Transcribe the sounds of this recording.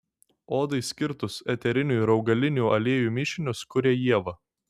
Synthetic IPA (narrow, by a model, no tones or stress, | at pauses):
oːd̪ɐɪsʲkʲɪɾt̪ʊsɛt̪ʲɛɾʲɪnʲuːɪɾɐʊɡɐlʲɪnʲuːʔɐlʲeɛjuːmʲɪʃʲɪnʲʊskʊɾʲeːjiɛʋɐ